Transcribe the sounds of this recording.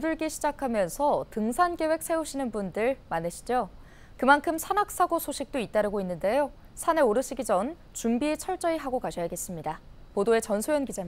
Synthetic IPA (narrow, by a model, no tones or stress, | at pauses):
oduɭɡeɕʰid͡ʑakʰamjʌnsʰʌtɯŋsʰanɡe̞we̞k̚s͈ʰe̞uɕʰinɯnbundɯɭmanɯɕʰi̥d͡ʑo | kɯmankʰɯmsʰanak̚s͈aɡosʰoɕʰik̚t͈oit͈aɾɯɡoinːɯnde̞jo | sʰane̞oɾɯɕ͈ʰiɡid͡ʑʌn | t͡ɕumbiet͡ɕʰʌɭt͡ɕ͈ʌiɦaɡokaɕʰʌjaɡe̞s͈ɯmɲida | podoe̞t͡ɕʌnsʰojʌnɡid͡ʑa